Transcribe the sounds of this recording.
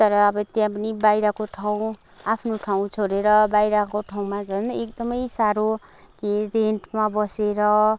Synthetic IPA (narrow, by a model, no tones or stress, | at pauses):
t̪ʌɾʌːbʌt̪jãpʌnibajɾakoʈʰaw̃ | apʰnoʈʰaw̃t͡sʰoɾeɾʌbajɾakoʈʰaw̃mad͡zʌnek̚d̪ʌmʌjsaɾo | kiɾeɳʈmabʌseɾʌ